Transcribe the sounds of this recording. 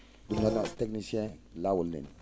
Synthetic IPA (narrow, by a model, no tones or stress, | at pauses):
dumlanɔtɛk̚nisiɛ̃lawulnḭn